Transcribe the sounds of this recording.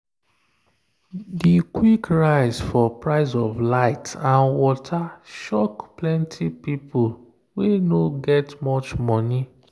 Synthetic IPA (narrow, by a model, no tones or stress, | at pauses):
dikwikɹaɪzfɔpɹaɪzɔvlaɪtãnwɔtʰaʃɔkplɛ̃ntʰipipʰol | wenoɡɛtmɔt͡ʃmɔni